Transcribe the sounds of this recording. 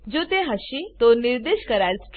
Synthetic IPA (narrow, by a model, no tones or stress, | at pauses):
d͡zot̪eɦəɕit̪oniɾd̪eɕkəɾaɾsʈ